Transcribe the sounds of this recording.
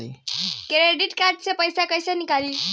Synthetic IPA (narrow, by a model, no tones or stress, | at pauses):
ikɾeɖiʈkaɾɖ̚t͡sʰepəjsakəjsanikali